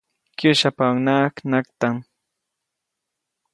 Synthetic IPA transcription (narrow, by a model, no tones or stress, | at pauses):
kʊʃapawnaːknakt̪am